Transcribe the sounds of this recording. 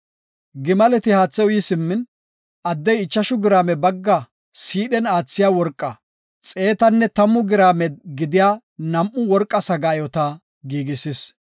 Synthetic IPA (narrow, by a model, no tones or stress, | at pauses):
ɡɪmɐlɛt̪ɪhaːt͡sːɛwʊjisɪmːɪn | ʔɐd̪ːɛjɪt͡ʃːɐʃʊɡɪɾaːmɛbɐɡːɐ | siːɗɛnaːt͡sːɪjaːwɔɾkʼːɐ | t͡sʼe̞ːt̪ɐnːɛt̪ɐmːʊɡɪɾaːmɛɡɪd̪ɪjaː | nɐmʔːʊwɔɾkʼːɐsɐɡaːjɔt̪ɐ | ɡiːɡɪsɪs